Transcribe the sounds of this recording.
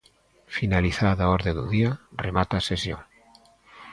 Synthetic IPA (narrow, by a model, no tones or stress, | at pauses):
finaliθaðaɔɾðed̪ṵðiaremat̪asesjo̰ŋ